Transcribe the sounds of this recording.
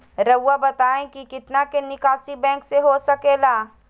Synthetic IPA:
ɾɐwːabɐt̪aːẽkikɪt̪nakenɪkaːsibɛ̃ːŋkseɦosɐkeːlaː

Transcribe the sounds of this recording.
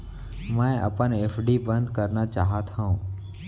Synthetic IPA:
mə̃ʔə̰pəneːfʰɖiːbə̃nd̪kəɾnat͡ʃaːɦat̪ʰɦãũː

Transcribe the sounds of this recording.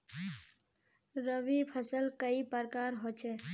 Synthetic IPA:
ɾəʋipʰəsəlkəipəɾkaɾɦot͡ʃʰɛ

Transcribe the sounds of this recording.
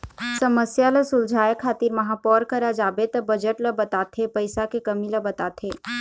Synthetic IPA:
səməsjaləsʊld͡ʒʱaːjəkʰːaːt̪iɾmɐɦapɔːɾkəɾad͡ʒaːbet̪ɐbɐd͡ʒəʈləbɐt̪aːt̪ʰepəɪsakekəmiləbɐt̪aːt̪ʰe

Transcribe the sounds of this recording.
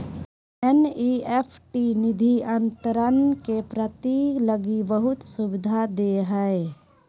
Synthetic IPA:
ɛniepʰʈinɪd̪ʱiənt̪əɾənkepɾət̪iːkləɡibəɦʊt̪sʊbɪd̪ʱad̪eɦəe

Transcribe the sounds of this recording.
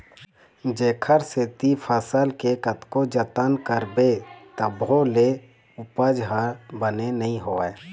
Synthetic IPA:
d͡ʒeːkʰəɾseːt̪ipʰəsəlkekət̪kod͡ʒət̪ənkəɾbet̪əbole | ʊpəd͡ʒɦaɾbənenɐɦĩɦoːɛː

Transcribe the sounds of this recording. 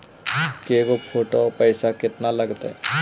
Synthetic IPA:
keɡopʰoʈopəjsakɪt̪naləɡt̪ḛ

